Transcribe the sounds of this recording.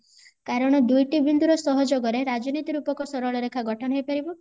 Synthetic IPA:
kaɾɔɽ̃ɔd̪ujʈibind̪uɾɔsɔɦɔd͡ʒɔɡɔɾeɾad͡ʒɔnit̪iɾupɔkɔsɔɾɔɭɔɾekʰaɡʱɔʈʰɔnɔɦejpaɾibɔ

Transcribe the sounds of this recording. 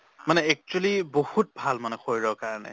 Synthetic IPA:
manɛɛk̚t͡ʃuelibɔhut̚bʱalmanɛxʰojɹɔkaɹnḛ

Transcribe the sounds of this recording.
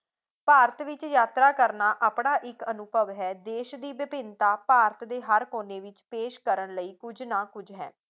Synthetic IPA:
paːɾət̪ʋɪt͡ʃjaːt̪ɾaːkəɾnaːʔaːpɳaːʔɪkənʊbəʋɦɛːd̪eːʃd̪iːʋɪpɪnt̪aːpaːɾət̪d̪eːɦəɾkoːneːʋɪt͡ʃpeːʃkəɾəɳləiːkʊd͡ʒnãːkʊd͡ʒɦɛ̰ː

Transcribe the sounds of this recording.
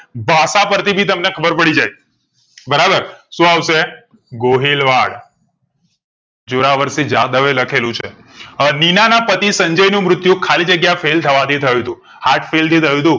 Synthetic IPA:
bʱaʃapəɾt̪ʰibʱit̪əmnekʰəbəɾpəɽid͡ʒaj | bəɾabəɾʃũawʃe | ɡoɦelʋaɽ | d͡ʒuɾaʋəɾsid͡ʒad̪əʋeləkʰelũt͡ʃʰe | ninanapət̪isəɲd͡ʒəjnũmɾʊt̪jũkʰalid͡ʒəɡjafelt̪ʰəʋat̪ʰit̪ʰəjũt̪ũ | haʈfelt̪it̪ʰəjũt̪ũ

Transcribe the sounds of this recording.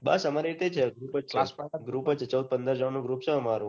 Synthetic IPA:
bə̰səmaɾiɾit̪et͡ʃʰeɡɾupəaspaɡɾupət͡ʃʰet͡ʃəwd̪̚pənd̪əɾd͡ʒəʋanũɡɾup̚t͡ʃʰeəmaɾũ

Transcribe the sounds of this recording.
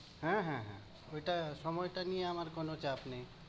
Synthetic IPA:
ɦɛ̃ɦɛ̃ɦɛ̰̃ | oiʈasɔmɔjʈanieamaɾkɔnot͡ʃʰeapne

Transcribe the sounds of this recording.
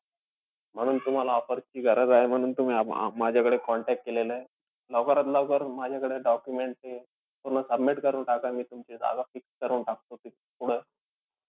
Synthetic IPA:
m̤əɽ̃uːnt̪um̤alaɔfəɾt͡ɕiːɡʱəɾəd͡zaem̤əɽ̃uːnt̪um̤iːaa̰mad͡ʑʱakəɽekɔɳʈɛk̚ʈ̚kelele | lɔkəɾat̪ləkəɾmad͡ʑʱjakəɽeɖɔkjumeɳʈ̚t̪e | puɾnəsəbmiʈkəɾuːnʈakamiːt̪umt͡ɕid͡za̰ɡafikskəɾuːnʈak̚t̪ot̪i | puɽ̤ə

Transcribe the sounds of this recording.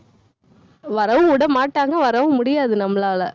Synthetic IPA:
ʋɐɾɐʋɯ̃ʊɽɐmaːʈːaːŋɡɐʋɐɾɐʋɯ̃mʊɽɪjaːðɯnɐmlaːlɐ

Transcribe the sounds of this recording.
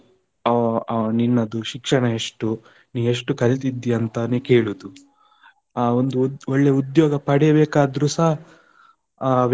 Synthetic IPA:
ɐninːɐd̪uʃikʂɐɳɐeʂʈu | niːe̞ʂʈukɐɭit̪̬id̪ːiɐnt̪ɐnikeːɭud̪u | aːond̪uɔɭːeud̪joːɡɐpɐɽɛjɐbeːkaːd̪ɾusɐɦɐ | ʋ

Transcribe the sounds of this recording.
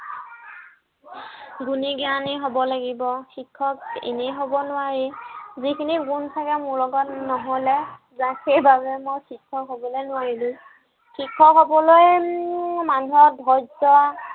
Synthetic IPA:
ɡuniɡianiɦobɔlaɡibɔxikʰːɔkḛneɦobɔnʊwaɹizikʰiniɡuntʰakɛmʊɹlɔɡɔtnɔɦɔlɛ | zaxejbabɛmojxikʰːɔkɦobɔlenʊwaɹilʊ̃ | xikʰːɔkɦɔbɔloj | manuɔdʱɔjzɔwa

